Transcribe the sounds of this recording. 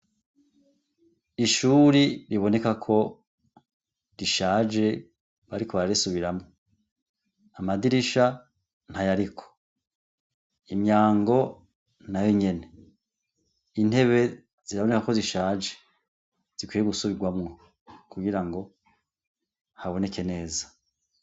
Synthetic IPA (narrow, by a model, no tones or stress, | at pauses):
iʃuɾiɾiβo̞ne̞kakʰo̞ | ɾiʃaːd͡ʒe̞ | βaɾikoβaɾaɾisuβiɾamŋo | amadiɾiʃa | n̥hajaɾikʰo̥ | imɲaːŋɡo̞ | najoɲe̞ne | in̥e̞βe̞ | z̥iɾaβo̞ne̞kako̞ziʃaːd͡ʒe̥ | z̥ikwijeɡusuβiɡwamŋo | kuɡiɾaŋɡo̞ | haβo̞ne̞kʰe̞ne̞ːza